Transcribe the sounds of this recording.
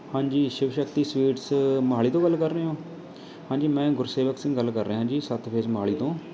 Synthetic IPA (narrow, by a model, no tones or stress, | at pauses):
hãːɲd͡ʒiːʃɪʋʃəkt̪iːswiːʈsməɦaːɭiːt̪õːɡəlːkəɾːeːɦõː | hãːɲd͡ʒiːmɛ̃ːɡʊɾseːʋəksɪ̃ŋɡəlːkəɾːeːɦãːd͡ʒiːsət̪pʰeːsmɦaːɭiːt̪õː